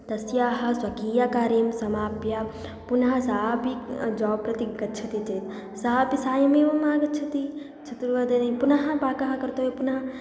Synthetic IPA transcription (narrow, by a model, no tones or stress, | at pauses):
t̪ɐsjaːɦɐ̆swɐkiːjaːkaːɾimsɐmaːpja | punɐɦɐ̆saːbid͡ʒɔːpɾɐt̪iɡɐt͡ʃʰɐt̪it͡ʃɐːt̪ | saːbisaːjɐmeːʋɐmaːɡɐt͡ʃʰɐt̪i | t͡ʃʰɐt̪ɾuʋɐd̪ɐnɐpunɐɦɐ̆baːkɐɦɐkɐɾt̪oːepunɐɦɐ